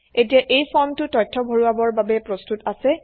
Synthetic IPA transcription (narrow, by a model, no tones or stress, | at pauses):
etiaʔejpʰɔɹmtʊtɔjtʰːɔbʱoɹuabɔɹbabɛpɹostutasɛ